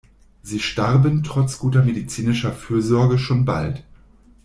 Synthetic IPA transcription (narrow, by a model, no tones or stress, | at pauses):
ziːʃtaʁbəntʁ̥ɔt͡sɡ̥uːtɐmedit͡siːnɪʃɐfyːɐzɔɐɡəʃoːnba̰lt